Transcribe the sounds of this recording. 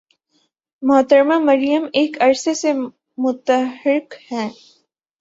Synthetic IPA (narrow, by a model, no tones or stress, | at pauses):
mɔːt̪əɾmamɐɾijəmeːkɐɾsese | mʊt̪əɦɪkhɛ̃ː